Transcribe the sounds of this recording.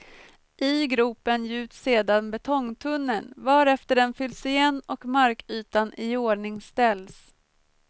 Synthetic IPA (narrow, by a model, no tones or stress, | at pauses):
ʔɪɡɾuːpənjʉ̟ːt̪seːd̪anbɛt̪ʰɔŋt̪ʰɵnːənvaɾɛft̪əɖɛnfʏlsɪjɛnːɔkmaɾkyːt̪anʔɪoːɖɳɪŋst̪ɛls